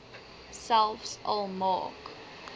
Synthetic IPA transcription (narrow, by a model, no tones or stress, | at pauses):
salˠfsəlˠmɑ̰ːk